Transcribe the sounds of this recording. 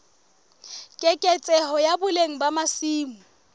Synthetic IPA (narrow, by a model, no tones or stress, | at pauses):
kʼɛkʼɛt͡sʼɛɦɔjabʊleŋ̩bamasiːmu